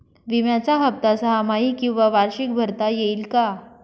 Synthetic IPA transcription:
ʋimjat͡saɦəp̚t̪asəɦamaɦiːkĩw̃ʋaʋaɾɕik̚bʱəɾt̪ajeiːlka

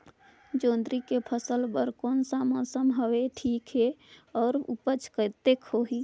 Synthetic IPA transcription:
d͡ʒõːnd̪ɾikepʰəsəlbəɾkɔːnsaməsəmɦəʋeʈʰiːkɦeɔːɾṵpət͡ʃʰkət̪ekhoɦi

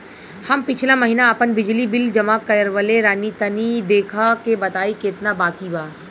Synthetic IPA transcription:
hɐmpɪt͡ʃʰlamɐɦiːnaɐpənbɪd͡ʒlibɪld͡ʒɐmaːkːɐjəɾʋəleɾaːnit̪ɐnid̪eːkʰakebɐt̪aːikeːt̪nabaːkibaːɾ

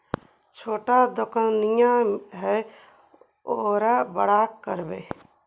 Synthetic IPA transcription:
t͡ʃʰoːʈad̪ʊkənijãɦɛ | oːɾabəɽaːkːəɾbeː

